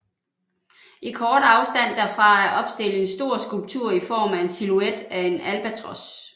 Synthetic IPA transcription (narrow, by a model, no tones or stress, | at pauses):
ʔikʰɒːd̥ɑ̈ʊsd̥æn̰d̥æɐfʁɑ̈æɐʔɒ̽b̥sd̥e̝l̰̩e̝nsd̥o̝ɐ̰sɡ̥ulb̥̚t͡sʰuɐ̰ifɒ̰ːmæe̝nsilued̥æe̝nælb̥æt͡sʰʁɒs